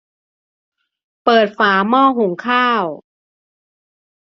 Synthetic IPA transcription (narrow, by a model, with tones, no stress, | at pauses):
pɤː˨˩t̪̚faː˩˦mɔː˥˩ɦu˩˦ŋkʰaː˥˩w